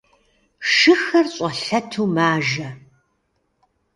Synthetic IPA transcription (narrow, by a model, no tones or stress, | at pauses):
ʂɨxɐrɕʼɐɬɐtʰuːmaːʒɐ